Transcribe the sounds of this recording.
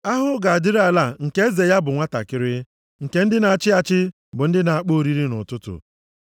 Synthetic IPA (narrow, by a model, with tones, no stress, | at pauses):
a˦ɦʊ˦ɡa˨a˨dɪ˦ɾa˨la˨ŋ̩˨ke˦e˦ze˨ja˦bʊ˨ŋʷa˦ta̰˨kɪ˦ɾɪ˦ | ŋ̩˨ke˦n̩˦dɪ˦na˨a˨t͡ʃɪ˦a˨t͡ʃɪ˦ | bʊ˨n̩˦dɪ˦na˨a˨k͡po˦˨ɾi˦ɾi˦nʊ̰˨tʊ˦tʊ̰˨